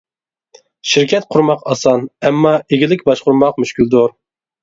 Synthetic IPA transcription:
ʃiɾkʲʰɛt̪̚qʰʊɾmɑqɑsɑnɛmːɑeɡʲɪlɪkʲbɑʃqʊɾmɑqmyʃkʲyld̪oɾ

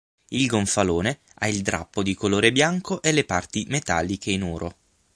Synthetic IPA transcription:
ilɡoɱfaloːne | aild̪ɾa̰pːod̪ikoloːɾebjaŋkoʔelːepart̪imet̪a̰lːikʰeinɔːɾʔo̰

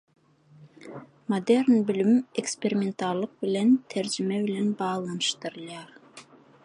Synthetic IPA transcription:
mod̪ernbʏlymekspeɾʲimʲent̪ɑllˠɯq̚bɪlent̪ʰæɾd͡ʒɪmebɪlenbɑːlˠɑnɯʃt̪ɯɾɯlʲˠɑɾ

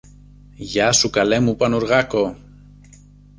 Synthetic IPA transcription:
ʝasukalemupanuɾɣako

